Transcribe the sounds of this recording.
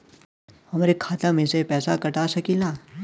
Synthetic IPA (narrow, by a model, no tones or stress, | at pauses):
hɐmɾekʰaːt̪amẽsepɛːsakɐʈaːsɐkilaː